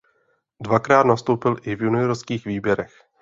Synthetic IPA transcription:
dvakɾaːt̪nast̪owpɪlʔɪvjunɪjoɾskiːxviːbjɛɾɛx

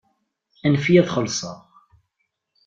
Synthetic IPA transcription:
ænfiæθχəlːsˤə̰ʁ

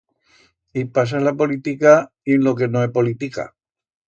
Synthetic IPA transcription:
ipas̬alapo̞lit̪ika | enlo̞ke̞noepo̞lit̪ika̰

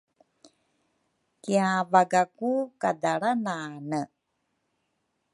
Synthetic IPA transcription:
kiavaɡakukadaɾananə

